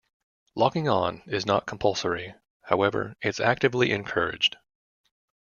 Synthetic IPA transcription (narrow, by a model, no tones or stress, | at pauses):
lɔkɪ̃ŋə̃nɪznə̰t̚kʰm̩pʰʌlˠsə˞i | haʊɛvə̰˞ɨtsæ̰k̚tɨvliʔɨ̰̃nkʰɜ̰˞ɪ̰̥d͡ʒd̥